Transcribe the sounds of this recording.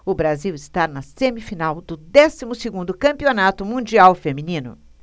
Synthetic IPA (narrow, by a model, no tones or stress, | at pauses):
ʊbɾaziwɪst̪aɾnɐsẽmifinawd̪ʊd̪ɛsimʊsɪɡũnd̪ʊkɐ̃mpionat̪ʊmũd͡ʒiawfemĩnĩnʊ̰